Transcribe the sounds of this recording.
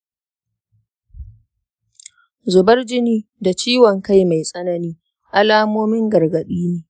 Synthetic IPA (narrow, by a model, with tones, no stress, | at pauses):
zʊ˨bɐ˦rd͡ʒɪ˦niː˦da˨t͡ʃiː˦wɔ˨ŋka˦jma˨jsʼɐ˦nɐ˨niː˦ | ʔa˦laː˦moː˦mɪ˦ŋɡɐ˨rɡɐ˨ɗiː˦neː˨